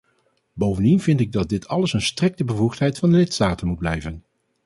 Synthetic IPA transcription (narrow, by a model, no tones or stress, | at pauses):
bowvəndinvɪntɪɡ̚dɑd̚dɪtʰɑləsənstrɪk̚təbəvuχtɦɛjtfɑndəlɪtstaːtənmud̚blɛjvən